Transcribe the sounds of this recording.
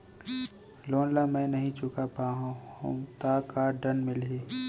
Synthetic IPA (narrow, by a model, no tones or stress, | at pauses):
loːnlamɛ̃ːnɐɦĩt͡ʃʊkapaːɦũhṵ̃t̪aːkaːɖɐnmɪleː